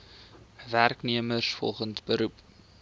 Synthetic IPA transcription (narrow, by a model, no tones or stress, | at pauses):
værkniəmərsfɔ̰lˠχəntbəɾup